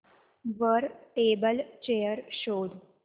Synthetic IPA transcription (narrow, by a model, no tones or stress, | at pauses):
ʋəɾʈebəlt͡ɕejəɾɕoːd̪